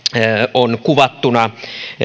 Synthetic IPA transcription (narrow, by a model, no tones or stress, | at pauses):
onkuʋɑt̪ːunɑ